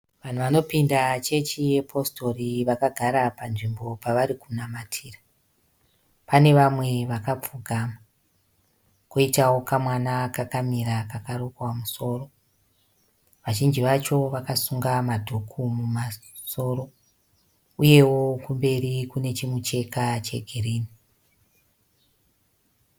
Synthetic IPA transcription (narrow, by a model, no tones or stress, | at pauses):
ʋan̤uʋano̞pindat͡ʃe̞t͡ʃije̞pʰo̞sto̞riʋakaɡʱaɾapanʐimbo̞paʋaɾikunamatʰiːra | pane̞ʋamwe̞ʋakap͡fuɡʱama | koitawo̞kamwanakakamiɾakakaɾokamuso̞ːro̞ | ʋaʒind͡ʒiʋat͡ʃo̞ʋakasuŋɡamadʱukʰumuma | so̞ɾo̞ | uje̞wo̞kumbe̞rikune̞t͡ʃimut͡ʃe̞kat͡ʃe̞̰ɡʱiriːni